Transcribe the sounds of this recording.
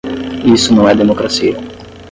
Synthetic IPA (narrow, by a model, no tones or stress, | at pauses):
isʊnɐ̃w̃ɛd̪emokɾasiɐ